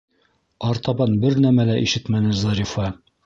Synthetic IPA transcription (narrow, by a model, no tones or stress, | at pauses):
ɑɾt̪ɑbɑnbɘɾnæmælæʔiʃɘt̪mænɘzɑɾʲifɑ